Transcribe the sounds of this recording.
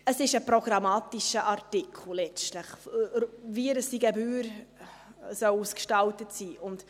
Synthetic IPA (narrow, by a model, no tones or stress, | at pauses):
əsɪʃəpɾɔɡ̥ɾɑmɑːtiʃəʔɑɾtikʰl̩ˠlɛt͡stləχ | viəɾəsiɡɛbyːɾ | sœwuskʃtɑltətsiːʔʊnd